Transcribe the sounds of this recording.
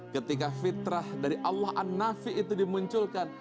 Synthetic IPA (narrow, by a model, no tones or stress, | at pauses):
kət̪ikafit̪ɾahdaɾiʔɑlːahanːafiʔːt̪udimuɲt͡ʃʊlkan